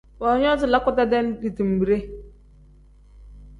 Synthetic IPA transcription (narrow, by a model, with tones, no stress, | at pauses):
bɔ˨ɲ˦ɔ˦zʊ˨la˦kʷʊ˦ta˦de˦n̩˦di˨ti˨m̩˨bi˨ɾe˦